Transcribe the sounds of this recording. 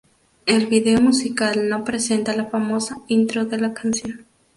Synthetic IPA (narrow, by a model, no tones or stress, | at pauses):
elβiðeomusikalno̞pɾese̞nt̪alafamo̞saint̪ɾoðelakansjo̞n